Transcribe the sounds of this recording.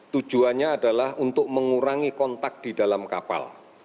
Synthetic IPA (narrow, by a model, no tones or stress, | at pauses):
t̪u̥d͡ʒuanɲaːdalahunt̪ʊk̚məŋuɾaŋikɔnt̪ak̚d̥idalamkapa̰l